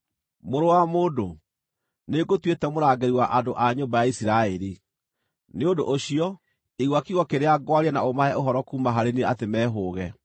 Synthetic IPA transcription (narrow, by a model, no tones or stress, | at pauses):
moɾowamoːdo | neɡotwetɛmoɾaɡeɾiwaʔadoʔaɲoːmbajaisiɾaɛɾi | neodoʔoɕiɔ | eɣwakiɣwɔkeɾeaɡwaɾɛnaomahɛʔoɦɔɾɔkuːmaɦaɾeneatemɛːɦoːɣɛ